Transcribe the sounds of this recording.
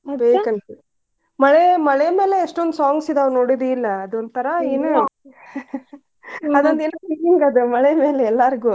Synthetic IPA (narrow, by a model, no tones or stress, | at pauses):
beːkɐnt̪ɐ | mɐɭemɐɭeme̞ːle̞ːʂʈond̪usaːŋɡsid̪eɐʋɾnoːɽid̪eilːɐːd̪ond̪t̪ʰɐɾɐeːnu | ɐd̪ond̪eːnopikiŋɡɐd̪umɐɭemeːleɛlːɐɾiɡu